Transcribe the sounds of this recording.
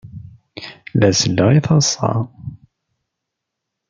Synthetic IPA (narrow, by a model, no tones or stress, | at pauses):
læsəlːəʁiθɑsˤːɑ̰